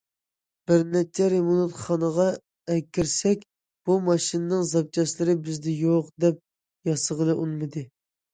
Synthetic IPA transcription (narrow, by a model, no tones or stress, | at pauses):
b̥ɪɾnɛt͡ʃʰːɛɾemunut̪χɑnəʁɑ | ɛkʲːiɾsɛkʲ | b̥umɑʃinɨnɨŋzɑp̚t͡ʃʰɑʃlˠɪɾɪbɪzd̪ɪjoqd̪ɛp̚ | jɑsəʁəlˠɨʔunmɨd̪ɨ